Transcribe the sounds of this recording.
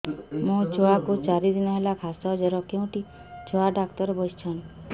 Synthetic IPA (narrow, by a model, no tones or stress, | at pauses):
mũt͡ʃoakut͡ʃaɾid̪inaɦelakʰasɔɦd͡ʒɔɾɔkẽũʈi | t͡ʃɔaɖakt̪ɔɾbɔst͡ʃʰɔn